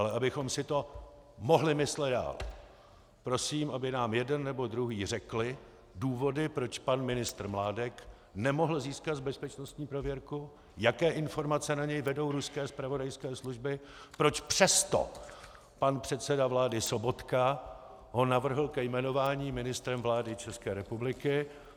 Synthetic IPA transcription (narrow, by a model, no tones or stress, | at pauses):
alɛʔabɪxomsɪt̪o̞ | mo̞ɦlɪmɪslɛd̪da̰ːl | pɾo̞siːmʔabɪnaːmjɛdɛnːɛbo̞dɾuɦiːrɛklɪ | duːvo̞dɪpɾo̞t͡ʃpanmɪnɪst̪r̩mlaːdɛk | nɛmo̞ɦl̩ziːskat̪zbɛspɛt͡ʃnost̪ɲiːpɾovjɛɾku | jakɛːʔɪnfo̞ɾmat͡sɛnaɲɛjvɛdo̞wɾuskɛːspɾavo̞dajskɛːsluʒbɪ | pɾo̞t͡ʃpr̝̥ɛst̪o̞̰ | panpr̥ɛt̪sɛdavlaːdɪso̞bo̞t̪ka | ɦo̞navr̩ɦl̩kɛjmɛno̞vaːɲiːmɪnɪst̪ɾɛmvlaːdɪt͡ʃɛskɛːɾɛpublɪkɪ